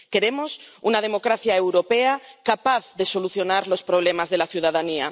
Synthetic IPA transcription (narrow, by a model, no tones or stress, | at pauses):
keɾemosunað̞emo̞kɾaθjaewɾo̞peakapaθðe̞so̞luθjo̞naɾlo̞spɾoβ̞lemazðe̞laθjuðaðania